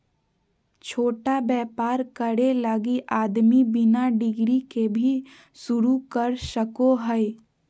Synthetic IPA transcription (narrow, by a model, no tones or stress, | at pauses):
t͡ʃʰoːʈabɛːpaːɾkəɽelaɡiʔaːd̪mibɪnaɖɪɡɾikebʱi | sʊɾukəɾʃəkoɦəe